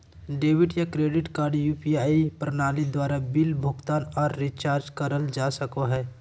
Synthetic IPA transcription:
ɖeːʋɪʈjakɾeːɖɪʈkaːɾɖjuːpiaːipɾənaːlid̪waːɾabɪlbʱʊɡt̪aːnɔːɾːit͡ʃaːɾd͡ʒkəɾəld͡ʒaːsəkoɦɛː

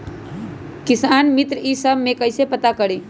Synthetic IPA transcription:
kɪsaːnmɪt̪ɾəisəbʱmẽkəɪsepət̪akəɽiː

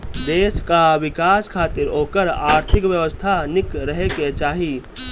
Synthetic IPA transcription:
d̪eːskaʋɪkaːskʰaːt̪ɪɾoːkəɾaːɾt̪ʰɪkʋjəʋəst̪ʰanɪkɾəɦeket͡ʃaːɦi

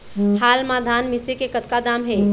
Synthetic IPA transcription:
haːlmad̪ʱaːnmisekekət̪kad̪aːmɦe

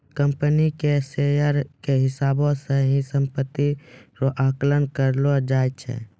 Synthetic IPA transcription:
kəmpənikesejəɾkeɦɪsaːbõseɦĩsə̃mpət̪ːiɾoʔaːklənkəɾlod͡ʒaːjt͡ʃʰɛ̰ː

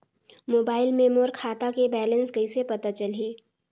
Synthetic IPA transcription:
moːbaːɪlmeːmoːɾkʰaːt̪akebɛːlə̃nsɡəisepɐt̪at͡ʃəlɦeː

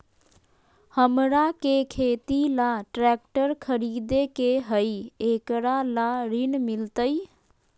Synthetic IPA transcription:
həmɾakekʰeːt̪ilaʈɾɛːk̚ʈəɾkʰəɾiːd̪ekeɦəieːkɾalaɾinmɪlt̪əi

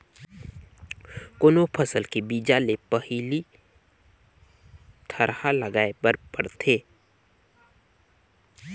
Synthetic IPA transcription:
koːnopʰəsəlkebiːd͡ʒalepəhili | t̪ʰɐɾhaləɡaːebəɾpəɽt̪ʰeː

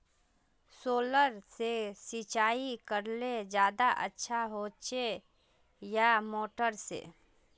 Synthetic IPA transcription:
soːləɾsesɪt͡ʃaːikəɾled͡ʒjaːd̪aʔə̰tːʃʰaɦot͡ʃe | jamoːʈəɾsḛ

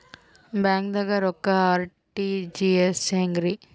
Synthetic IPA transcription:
baːŋɡd̪ɐɡɐɾɔkːɐaːɾ | ʈid͡ʒieseŋɡɾi

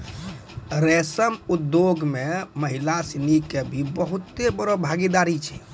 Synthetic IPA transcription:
ɾesəmud̪joɡmeməɦilasinikebʱibəɦut̪ːebəɾobʱaɡid̪aɾit͡ʃʰɛ

